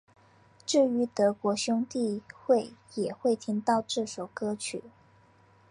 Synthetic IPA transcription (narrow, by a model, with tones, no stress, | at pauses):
ʈ͡ʂɻ̩˥˩y˧˥t̪ɤ˧˥kwɔ˧˥ɕjʊ˥ŋt̪i˥˧xwe˥˩ɪjɛ˨˩xwe˥˩ɪt̪ʰi˧˥ŋt̪ɑ˥˧ʊʈ͡ʂɻ̩˥˩ʂo˨˩ʊkɤ˥t͡ɕʰy˨˩˦